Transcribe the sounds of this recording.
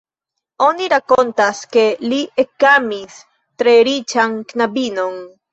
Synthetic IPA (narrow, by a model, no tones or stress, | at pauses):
o̞niɾakont̪aske̞liʔekamis | t̪ɾeɾit͡ʃaŋknabino̞n